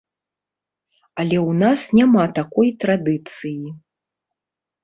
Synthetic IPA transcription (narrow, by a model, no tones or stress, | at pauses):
alʲɛwnasnʲamat̪akɔjt̪ɾad̪ɨt̪sɨji